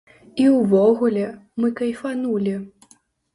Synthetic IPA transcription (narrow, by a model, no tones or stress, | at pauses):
iwvɔɣulʲɛmɨkɐjfanulʲi